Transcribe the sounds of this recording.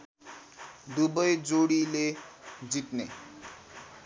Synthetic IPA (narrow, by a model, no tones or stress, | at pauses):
d̪ubʌjd͡zoɽiled͡zit̪nḛ